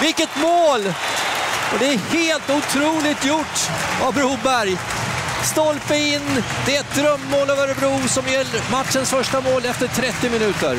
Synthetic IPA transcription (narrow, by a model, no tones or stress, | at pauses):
vɪlkət̪moːl | ɔd̪ɛæɾheːlt̪ʊt̪ʰɾuːlɪt̪jʊʈːavbɾuːbæɾj | st̪ɔlpəɪnːd̪ɛæɛt̪̚d̪ɾœmːoːləvəɾbɾuːsɔmjɛlːəɾmat̪ʂənsfœʂʈamoːlɛft̪əʈʰɾɛt̪ːɪmɪnʉ̟ːt̪ə̰ɾ